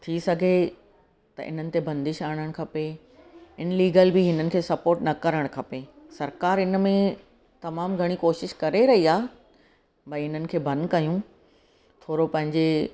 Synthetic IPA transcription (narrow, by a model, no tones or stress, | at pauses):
t̪ʰisɐɡʱe | t̪ɐ̰ʔɪ̰n̤ənɪ̆t̪ebɐ̃nd̪ɪʃaːɽ̃əɽ̃kʰɐpe | ɪnliːɡəlbɪɦɪnənɪ̆kʰeːsɐpoːɾʈnɐkɐɾəɽ̃kʰɐpesɐɾkaːɾɪnmẽ | t̪ɐmaːmɡʱɐɽ̃ikoːʃɪʃkɐɾeɾɐɦiaː | bɐɪn̤ənɪ̆kʰeːbʱɐ̃nd̪kɐjũ | t̪ʰoːɾopɐ̃ɦɪ̃ɲd͡ʑe